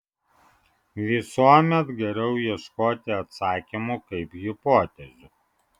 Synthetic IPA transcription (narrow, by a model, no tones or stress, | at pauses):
ʋʲɪsuɔmʲɛt̪ɡʲɛɾʲɛʊjiɛʃkoːt̪ʲɪɐt̪sɑːkʲimukɐɪpjɪpoːt̪ʲɛzʲʊ